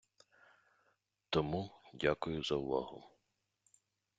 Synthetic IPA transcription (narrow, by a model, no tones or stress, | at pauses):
t̪ɔmudʲakʊjʊzɐ̰ʊʋɑ̰ɦʊ̰m